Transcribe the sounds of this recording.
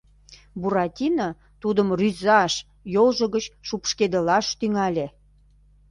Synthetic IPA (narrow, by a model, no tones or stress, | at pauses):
buɾɑt̪ʲinɑ | t̪ud̪əmryzɑʃ | jolʒəɣət͡ɕʃupʃked̪əlɑʃt̪yŋɑlʲe